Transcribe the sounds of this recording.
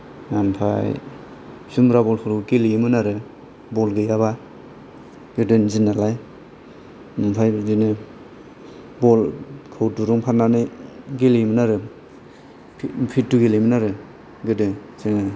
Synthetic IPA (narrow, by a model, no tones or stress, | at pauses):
ŋampʰa̰j | sumɾabɔlpʰuɾɡelijmɯnaɾɯ | bɔlɡɯjaβa | ɡɯdɯnzinːalaj | mampʰajzinɯ | bɔlkʰɯwtuɾuŋpʰananɯɡelimɯnaɾɯ | pʰpʰituɡelimɯnaɾɯ | ɡɯdɯŋ | zɯŋɯ